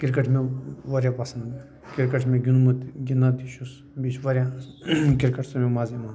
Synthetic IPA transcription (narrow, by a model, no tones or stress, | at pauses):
kʲiɾkəʈʰmeʋɐɾʲjapɐsɐnd̪ | kiɾkəʈʰmẽɡʲinumɐt̪ɡʲinat̪iʃus | bit͡ʃʰʋɐɾʲjakiɾkəʈʰsɐmemaːziman